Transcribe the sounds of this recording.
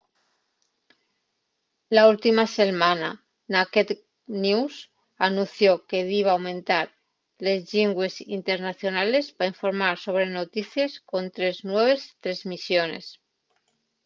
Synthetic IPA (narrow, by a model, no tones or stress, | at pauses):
lault̪imaselmãna | naket̪ | nus | anũnθjoke̞ðiβaːwmẽ̞nt̪aɾ | le̞zʎiŋɡwe̞sint̪e̞ɾnaθjo̞nale̞spaiɱfo̞ɾmaɾso̞β̞ɾe̞no̞t̪iθjesko̞nt̪ɾe̞znwe̞β̞e̞st̪ɾe̞zmisjone̞̰s